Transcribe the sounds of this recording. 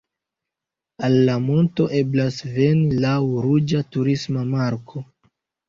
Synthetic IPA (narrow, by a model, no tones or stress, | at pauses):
alːamo̞nto̞ʔe̞blasve̞nilawɾud͡ʒatuɾismamaɾkʰo̞